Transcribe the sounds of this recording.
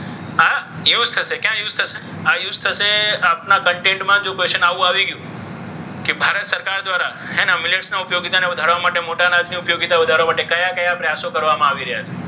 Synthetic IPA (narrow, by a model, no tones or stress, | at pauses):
ajuzt̪ʰəʃekjãjuzt̪ʰəʃe | ajuzt̪ʰəʃeapnakəɳʈẽɳʈmãd͡ʒõkeʃənaʋũaʋiɡəjũ | kebʱaɾət̪səɾkaɾd̪ʋaɾa | ɦɛnamɪleʈsnaʊpjoɡit̪aneʊd̪ʱaɽʋamaʈemoʈanad̪ʰʱniupjoɡit̪aʋud̪ʱaɾʋamaʈekəjakəjapɾəjasokəɾʋamãaʋiɾəɦjat͡ʃʰe